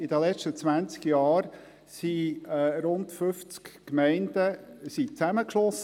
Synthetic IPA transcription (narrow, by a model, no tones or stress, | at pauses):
ɪd̥əlɛt͡ʃtət͡sʋænt͡skjɑːɾ | siɾʊntfʏft͡skkmɛɪnd̥əsit͡sæməkʃlɔs